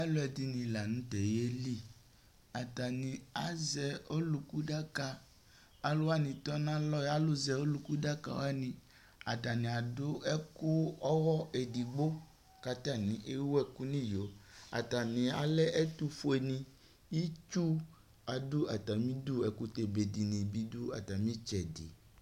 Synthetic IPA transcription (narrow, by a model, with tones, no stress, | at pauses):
a˦lʊ˦ɛ˨di˦nĩ˨la˨nũ˦t̪ɛ˨je˦li˦ | a˨t̪a˨nĩ˨a˨zɛ˨o˦lu˨ku˦ɖa˦ka˦ | a˨lʊ˦a˦nĩ˨t̪ɔ˦nã˦lɔ˦ja˦lʊ˦zɛ˨o˦lu˦ku˦da˦ka̰˨wa˦nĩ˨ | a˨t̪a˨nĩ˨a˨dʊ˦ɛ˦ku˦ɔ˦ɣɔ˦e˨di˨ɡ͡bo˦ | ka˦t̪a˦˨nĩ˨ʔe˦wo˦ɛ˦ku˦nĩ˦jo˨a̰˨ta˨nĩ˨a̰˨lɛ˦ʔɛ˦t̪u˦fo˦e˨nĩ˦˨ | i˦t͡ʃu˦ | a˨du˦a˨t̪a˨mĩ˦du˦ɛ˨ku˦t̪e˨be˨di˨nĩ˨bi˦du˦a̰˨t̪a˨mĩ˦t͡ʃɛ˨dḭ˨